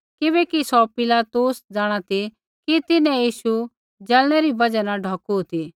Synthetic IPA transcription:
kɪβɛkisɔpɪlaːt̪usd͡zaːɽ̃at̪ʰi | kit̪ɪnɛ̃jiːʃu | d͡ʒɐlɽ̃ɛɾibɐd͡ʒanaɖʱɔːkut̪ʰi

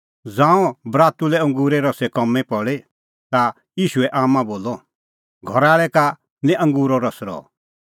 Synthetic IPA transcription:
d͡zãːũbɾaːt̪ulɛɐ̃ŋɡuːɾɛɾɔsɛkɔmɛ̃pɔɭe | t̪a | jiːʃuɛʔaːmãboːlɔ | ɡʱɔɾaːɭɛka | nɛ̃ʔɐ̃ŋɡuːɾɔɾɔsɾɔ̰

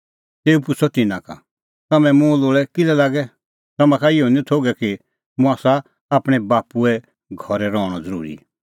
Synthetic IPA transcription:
t̪eːupʊt͡sʰɔt̪ɪnãka̰ | t̪ɐmɛ̃mũloːɭɛkɪlɛlaːɡɛ | t̪ɐmãkʰaɪɔnĩt̪ʰoːɡɛki | mũaːsaː | pɽ̃ɛbaːpuɛ | ɡʱɔɾɛɾɔːɽ̃ɔd͡zəɾṵːɾḭ

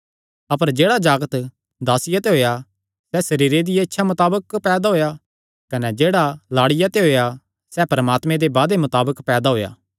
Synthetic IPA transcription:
ɐpəɾd͡ʒeːɽad͡ʒaːɡət̪ | d̪aːsɪjat̪eɦoːja | sɛsɐɾiːɾed̪ɪjaɪtːʃʰamɐt̪aːbəkpɛːd̪aɦoːja | kɐnɛd͡ʒeːɽalaːɽɪjat̪eɦoːja | sɛpɐɾəmaːt̪mẽd̪ebaːd̪emɐt̪aːbəkpɛːd̪aɦoːja̰ː

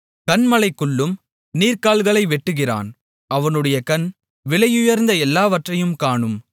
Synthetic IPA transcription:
kɐnmɐlɐɪkːɯɭːɯm | niːɾkaːɭɣɐɭɐɪʋɛʈːɯɣɪra̰ːn | ɐʋɐnɯɽɐjɐkɐn | ʋɪɭɐjʊjɐɾnd̪ɐɛlːaːʋɐʈrɐjɯmkaːɳɯm

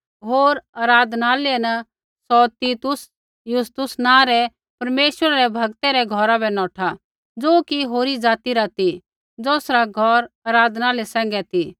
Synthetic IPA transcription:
ɦoːɾaːɾaːd̪ʱnaːlɛnɐ | sɔt̪iːt̪ʊs | jʊst̪ʊsnãːɾɛ | pɐɾmeːʃwəɾaɾɛbʱɐɡt̪ɛɾɛɡʱɔɾabɛnɔ̃ːʈʰa | d͡zoːkiɦoːɾid͡zaːt̪iɾat̪i | d͡zoːsɾaɡʱɔɾɐɾaːd̪ʱnaːlɛsɛ̃ːŋ̆ɡɛt̪i

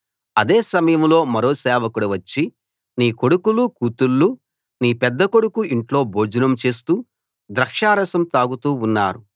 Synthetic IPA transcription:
ɐd̪eːsɐmɐjɐmlo̞ːmɐɾo̞ːsɛːʋɐkuɽɐʋɐt͡ʃːi | niːko̞ɽukulukuːt̪ulːu | niːpɛd̪ːɐko̞ɽukuiɳʈlo̞ːbʱoːd͡ʒɐnɐmt͡ʃe̞ːst̪uː | d̪ɾɐkʂaːɾɐsɐmt̪aːɡut̪uːunːa̰ːɾu

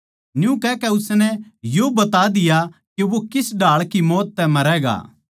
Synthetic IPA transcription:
njũkɛːkɛʊsnɛjobɐt̪ad̪ɪjakeʋokɪsɖʱaːɭkimɔːt̪ːɛmɐɾɛɡa̰ː

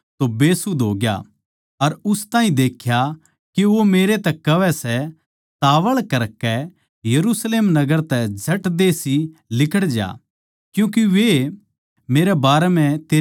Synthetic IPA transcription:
t̪obeːsud̪ʱoːɡja̰ | ɐɾʊst̪ãːɦĩd̪eːkʰja | kiʋomeːɾet̪ɛkːɐʋɛsɛ | t̪aːʋəɭkɐɾkɛ | jɐɾusleːmnɐɡəɾt̪ɛd͡ʒʱɐʈd̪eːsilɪkʰəɽd͡ʒa̰ː | kjũːk̬iʋe | meːɾɛbaːɾɛm̤ɛ̃t̪eː

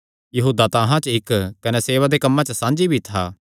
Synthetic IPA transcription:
jɐɦuːd̪at̪aːɦãt͡ʃɪkkɐnɛseːʋad̪ekɐmːãt͡ʃəsãːnd͡ʒibʱit̪ʰa̰ː

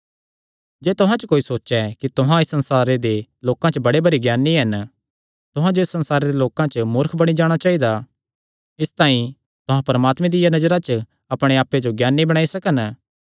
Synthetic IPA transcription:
d͡ʒɛːt̪ʊɦãt͡ʃəkoːisoːʃɛkit̪ʊɦãɪsːɐ̃nsaːɾed̪eloːkãt͡ʃəbɐɽebɐɾiɡjaːnːiɦɐn | t̪ʊɦãd͡ʒoɪsːɐnsaːɾed̪eloːkãt͡ʃəmʊɾkʰbɐɽ̃id͡ʒaːɽ̃at͡ʃaːid̪a | ɪst̪ãːĩ | t̪ʊɦãpɐɾəmaːt̪mẽd̪ɪjanɐd͡ʒɾat͡ʃə | ɐpɽ̃eaːpːed͡ʒoɡjaːnːibɐɽaːisɐkən

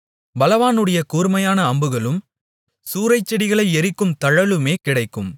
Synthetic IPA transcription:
bɐlɐʋaːnɯɽɐjɐkuːɾmɐjaːnɐːmbɯɣɐɭɯm | suːɾɐɪt͡ʃːɛɽɪɣɐɭɐɪɛɾɪkːɯmt̪ɐɻɐlɯmeːkɪɽɐɪkːɯm

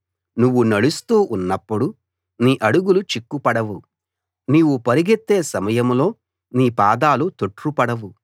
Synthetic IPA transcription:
nuʋːunɐɽust̪uːʔunːɐpːuɽu | niːʔɐɽuɡulut͡ʃikːupɐɽɐʋu | niːwupɐɾiɡet̪ːe̞ːsɐmɐjɐmlo̞ː | niːpaːd̪aːlut̪oʈɾupɐɽɐʋu

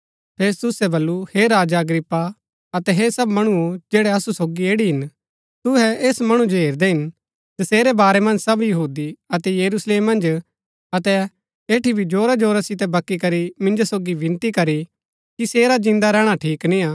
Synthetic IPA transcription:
pʰeːs̬t̪ʊsɛbɐlːuheɾaːd͡ʒaɐɡɾɪpːa | ɐt̪ɛɦesɐbmɐɽ̃uod͡ʒeːɽɛɐsusoːɡieːɽiɦɪn | t̪ʊɦɛeːsmɐɽ̃ũd͡ʒoɦeːɾd̪eɦɪn | d̪ɐseːɾɛbaːɾɛmɐ̃nd͡ʒsɐbjɐɦuːd̪iɐt̪ɛjɐɾusleːmːɐ̃nd͡ʒ | ɐt̪ɛ | eːʈibʱid͡ʒoːɾad͡ʒoːɾasɪt̪ɛbɐkːikɐɾimɪ̃nd͡ʒosoːɡiʋɪ̃nt̪ikɐɾi | kiseːɾad͡ʒɪ̃nd̪aɾɛːɽ̃aʈʰiːknĩaː

